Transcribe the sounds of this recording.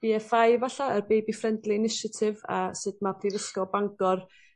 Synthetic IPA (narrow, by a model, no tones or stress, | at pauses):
b̥iɛfajvaɬaərbejbifrɛndlˠiɪnɪʃatʰɪva̰sɨd̚mapʰrivəskɔbaŋɡɔr